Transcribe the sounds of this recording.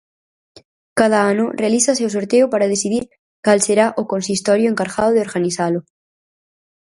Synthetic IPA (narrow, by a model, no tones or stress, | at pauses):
kað̞aanorealiθas̬ews̬oɾt̪eopaɾaðesiðiɾ | kalseɾaʔokonsist̪oɾjoeŋkaɾɣaðoðeo̞ɾɣaniθalo